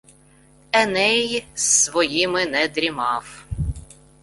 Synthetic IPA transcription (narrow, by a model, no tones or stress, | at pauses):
ɛnɛjsʋɔjimɪnɛd̪ɾʲimɑw